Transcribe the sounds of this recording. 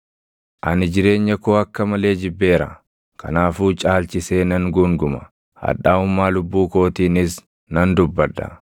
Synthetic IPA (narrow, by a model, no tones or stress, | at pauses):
ʔɐnɪd͡ʒɪɾe̞ːɲːɐkoːɐkːɐmɐle̞ːd͡ʒɪbːe̞ːɾɐ̰ | kɐ̰naːfuːt͡ʃʼaːlt͡ʃɪse̞ːnɐŋɡuːŋɡʊmɐ | hɐ̰ᶑaːʊmːaːlʊbːuːko̞ːt̪iːnɪs | nɐnd̪ʊbːɐd̪ːɐ̰